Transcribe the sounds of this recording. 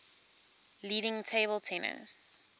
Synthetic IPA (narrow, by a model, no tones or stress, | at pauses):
liːɾɪ̃ŋtʰeɪbəlˠtʰɛnə̰̃ns